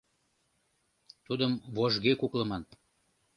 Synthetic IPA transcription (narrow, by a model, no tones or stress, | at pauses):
t̪ud̪əmvoʒɣekukləmɑn